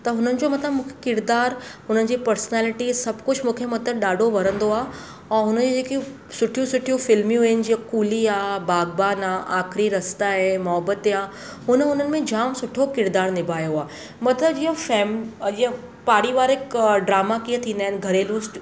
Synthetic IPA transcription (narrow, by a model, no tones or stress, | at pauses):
t̪ɐɦʊnənɪ̆d͡ʑomɐt̪ləbmũːkʰekɪɾd̪aːɾɦʊnənɪ̆d͡ʑiːpɐɾsnɛːlɪʈisɐbʱkʊd͡ʑmũːkʰemɐt̪əbɗaːɖʱoʋɐɾə̃nd̪oaː | ɛ̃ːɦʊnəd͡ʑod͡ʑeːki | sʊʈʰijũsʊʈʰijũfɪlmijũɪnɪ̆d͡ʑiə̃kuːliaːbaːɡbaːnaːʔaːkʰɾiɾɐst̪aɦemɔɦbət̪eaː | ɦʊnəʊnənɪ̆mẽd͡ʑaːmsʊʈʰokɪɾd̪aːɾnɪbʱaːjoaː | mɐt̪ləb̚d͡ʑiɦə̃fɛːmd͡ʑiɦə̃ | paːɽiʋaːɾɦɪkɖɾaːmakiə̃t̪ʰĩːnd̪aɦɪn̆ɡʱɐɾelʊːsʈ